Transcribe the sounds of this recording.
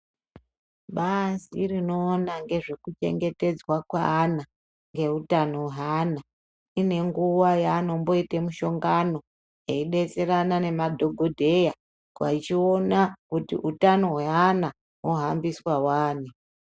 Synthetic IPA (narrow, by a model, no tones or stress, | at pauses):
ɓasirino̞ːnaŋɡe̞ʐe̞kut͡ʃe̞̰ŋɡe̞te̞d͡zwakwa̰ːna | ŋɡe̞utano̞weɦana | ine̞ŋɡuwajaːno̞mbo̞itemuʃo̞ŋɡano̞ | eiɗe̞t͡se̞ɾanane̞madʱo̞ɡʱodʱe̞ja | kwa̰it͡ʃio̞nakutḭʔutano̞ɦeana | ɦoɦambiswawaːni